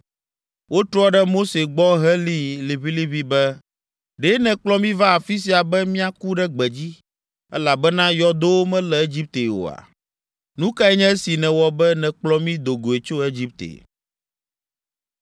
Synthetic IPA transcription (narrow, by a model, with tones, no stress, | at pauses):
wo˦t̪ɾɔ˦ɖɛ˦mo˦se˨ɡ͡bɔ˦ɦɛ˦li˦le˨βi˦li˦βi˨bɛ˦ | ɖe˦nɛ̃˨k͡plɔ˦mĩ˦va˦a˨fi˦s̬i˨a˨bɛ˦mĩ˦a˨ku˦ɖɛ˦ɡ͡bɛ˨d͡ʑi˦ | ɛ̰˦la˨bɛ˦nã˦jɔ˦d̪o˦wo˦mɛ̃˦lɛ˨e˦d͡ʑi˦p̚t̪e˨wo̰˨a̰˨ | nũ˦ka˦ɛ˦ɲɛ̃˦si˨nɛ̃˨wɔ˨bɛ˦nɛ̃˨k͡plɔ˦mĩ˦d̪o˨ɡo˨e˨t͡ʃo˦e˦d͡ʑi˦p̚t̪ḛ˨